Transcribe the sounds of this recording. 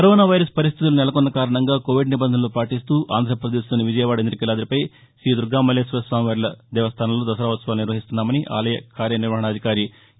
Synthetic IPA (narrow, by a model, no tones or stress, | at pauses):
kɐɾoːnaːʋɐjɾɐspɐɾis̬t̪ʰit̪ulunɛlɐkunːɐkaːɾɐɳɐŋɡaːkoːʋiɖnibɐnd̪ɐnɐlopaːʈist̪uːʔa̰ːnd̪ʱɾɐpɾɐd̪eːsloːniʋid͡ʒɐjɐʋaːɽɐend̪ɾikilaːd̪ɐɾipɐj | sɾiːd̪uɾɡaːmɐlːeːsʋɐsʋaːmʋɐɾlɐd̪ɛːʋɐst̪ʰaːnɐlo̞ːd̪ɐsɐɾaːʋɐt̪sɐʋaːlniɾʋɐɦist̪unːaːmɐniʔa̰ːlɐjɐkaːɾjɐniɾʋɐɦɐɳɐd̪ʱikaːɾi